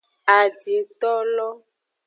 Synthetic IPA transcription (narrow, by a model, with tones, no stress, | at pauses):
a˨d͡ʒi˨t̪ɔ˦lɔ˦